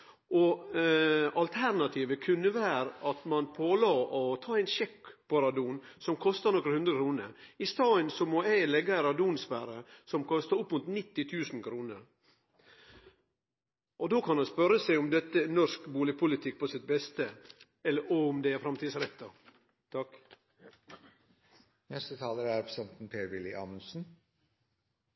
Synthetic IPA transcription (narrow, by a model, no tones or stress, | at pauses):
ʔɔ | ɑlt̪ʰæɾnɑt̪ʰiːʋəkʰʉnːəʋæːɾəɑt̪mɑnpʰoːlɑːʔɔt̪ʰɑːæɪnʃɛkːpʰɔɾɑd̪uːnsɔmkʰɔst̪ɑɾnɔkɾəhʉnd̪ɾəkʰɾuːnə̰ɾɪst̪ɑːənsɔmɔæɪlɛɡːɑɛɾɑd̪uːnspæ̰ːɾəsɔmkʰɔst̪əɾʊpːmʊnt̪nɪt̪ːɪt̪ʰʉːsn̩kʰɾuːnə̰ɾ | ʔɔd̪oːkʰɑndɑspœɾəsæɪɔmd̪ɛt̪ːənɔɾskbuːlɪpʰʊlɪt̪ʰɪk̚ːpʰoːsɪt̪̚bɛst̪ə | ɛlːəɾɔmd̪ɛæɾfɾɑmt̪ʰɪd̪sɾɛt̪ːɑ | t̪ʰɑk | nɛst̪ət̪ʰɑːləɾæɾpsɛnt̪n̩pʰeːɾʋɪlɪʔɑ̰ːmsn̩